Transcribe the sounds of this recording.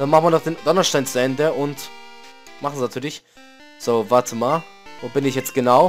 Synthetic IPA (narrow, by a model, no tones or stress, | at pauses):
d̥anmaχnviɐnɔχd̥eːnd̥ɔnɐʃtaɪnt͡suʔɛndəʔʊnt | maχn̩znatʰyːɐlɪç | z̥oːvaɐtʰəmaːl | voːbɪnɪçjɛt͡stɡ̥ənaʊ